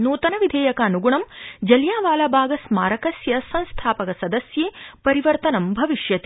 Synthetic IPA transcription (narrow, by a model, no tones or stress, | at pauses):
nuːt̪ɐnɐʋid̪ʱeːjɐkɐːnuɡuɳɐmd͡ʒɐljaːʋaːlaːbʱaːɡɐsmaːɾɐkɐsjɐsɐnst̪ʰaːpɐkɐsɐd̪ɐsjeːpɐɾiʋɐɾt̪ɐnɐmbʱɐʋiʃjɐt̪i